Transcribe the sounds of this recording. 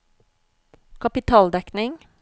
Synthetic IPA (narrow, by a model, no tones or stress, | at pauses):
kʰɑpɪt̪ʰɑːld̪ɛknɪŋ